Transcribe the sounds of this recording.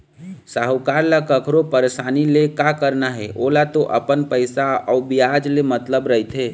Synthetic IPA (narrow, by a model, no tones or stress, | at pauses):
saɦukaɾlakəkʰɾopəɾesanilekakəɾnaɦɛʔolat̪oʔə̰pənpəɪsaɔbijad͡ʒlemət̪ləbɾəɦit̪ʰɦe